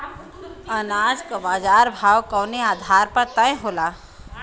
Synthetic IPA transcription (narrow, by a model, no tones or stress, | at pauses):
ɐnaːd͡ʒkabaːd͡ʒaːɾbʱaːwkɔwniaːd̪ʱaːɾpɐɾt̪ɐ̃ẽɦoːlaː